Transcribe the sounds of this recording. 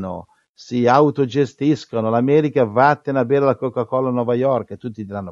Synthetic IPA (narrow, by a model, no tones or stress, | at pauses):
no̰ | siawt̪od͡ʒest̪iskonolamɛːɾikavaat̪ːenabɛːɾelakɔkːakɔlːanɔvajɔrket̪ːut̪ːid̪iɾanːo